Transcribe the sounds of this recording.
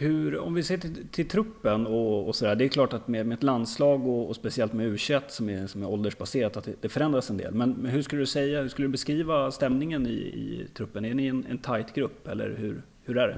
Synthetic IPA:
hɵ̟ɾɔ̰mvɪseːʈʰɪlt̪ʰɪlt̪ʰɾɵpːənɔɔ̰sɔd̪æːɖɛɛkʰlɑːʈat̪mɛmɛɛt̪land̪slɑːɡɔɔspɛsɪɛlt̪mɛʉ̟ːɕɛt̪ːsɔmɛsɔmæɾɔld̪əʂbaseːɾat̪at̪d̪ɛd̪ɛfœɾɛnd̪ɾasɛnd̪ḛːlmɛnɦɵʂkɵləd̪ɵsɛjːahʂkɵlːəd̪ɵbɛskɾiːvast̪ɛmnɪŋənɪ̰ɪ̰t̪ʰɾɵpːənænɪɛnɛ̰nt̪ʰajt̪ɡɾɵpːɛlːə̰ɾhɵɾ | hɵɾæɖɛ̰

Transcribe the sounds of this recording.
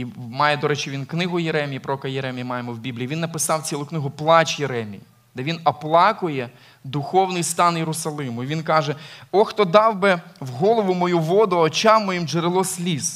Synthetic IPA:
mɑjɛd̪ɔɾɛt͡ʃɪʋʲinknɪɦʊjeɾɛmʲijipɾɔɔkɐjeɾɛmʲijɐmɑjemɔwbʲiblʲiːʋʲinːɐpɪsɑwt͡sʲilˠʊknɪɦʊplˠɑt͡ʃjeɾɛmʲḭj | d̪̥ɛʋʲinɔplˠɑkʊjɛ | d̪ʊxɔwnɪjst̪ɑnjeɾʊsɐlˠɪmʊiʋʲinkɑʒɛɔxt̪ɔd̪ɑwbɛwɦɔlˠɔʋʊmɔjuʋɔd̪ʊɐɔt͡ʃɑmːɔjimʒeɾɪlˠɔsʲlʲis

